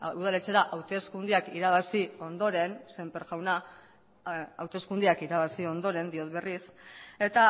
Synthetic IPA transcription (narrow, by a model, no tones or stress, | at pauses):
uð̞ale̞t͡se̞ɾaʔawt̪e̞skund̪iakiɾaβ̞asio̞nd̪o̞ɾe̞nse̞mpeɾʝawna | a̰wt̪e̞skund̪iakiɾaβ̞asio̞nd̪o̞ɾe̞nd̪io̞t̪βe̞rise̞t̪a